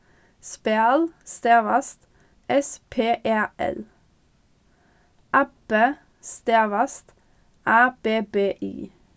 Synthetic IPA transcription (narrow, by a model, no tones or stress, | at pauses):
speɑːlst̪eːʋɑst̪ | ʔɛspʰeːʔeːɛ̰l | ʔæpə | st̪eːʋɑst̪ | ʔæːb̥eːbeːʔḭː